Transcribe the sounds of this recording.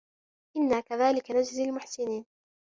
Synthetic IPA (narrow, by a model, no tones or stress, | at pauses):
ʔɪnːaːkaðaːlɪkanad͡ʒzalmʊħsɪniːn